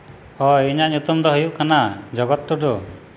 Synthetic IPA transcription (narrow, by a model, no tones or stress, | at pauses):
ɔiɲaɲut̪ɔmd̪ɔɦujuʔkanad͡ʒɔɡɔt̪ːɔɖɔ